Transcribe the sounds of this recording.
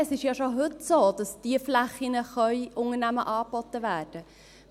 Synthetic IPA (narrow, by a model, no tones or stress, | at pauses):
əsɪʃjɑʃoɦɵtsoːd̥ɑsd̥iəflæχinəχœʏʔʊŋərnæmə̰ʔɑːbɔt̪ːəʋæːrd̥ə